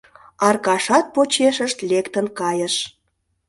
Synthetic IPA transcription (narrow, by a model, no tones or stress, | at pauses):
ɑrkɑʃɑt̪̚pot͡ɕeʃəʃt̪lekt̪ənkɑjəʃ